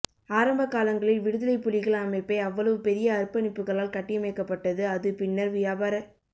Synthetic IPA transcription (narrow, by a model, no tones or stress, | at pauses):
aːɾɐmbɐkːaːlɐŋɡɐɭɪlʋɪɽɯðɐlɐɪpːʊlɪɣɐɭɐmɐɪpːɐɪɐʋːɐɭɐʋɯpɛɾɪjɐːrpɐnɪpːɯɣɐɭaːlkɐʈːɪjɐmɐɪkːɐpːɐʈːɐðɯɐðɯpɪnːɐɾʋɪjaːbaːɾɐ